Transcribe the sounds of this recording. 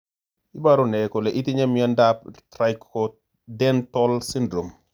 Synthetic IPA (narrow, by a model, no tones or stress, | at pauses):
ibaɾunɛkɔlɛʔitiɲɐmjɐndap̚tɾajkkɔ | dɛntɔlsindɾom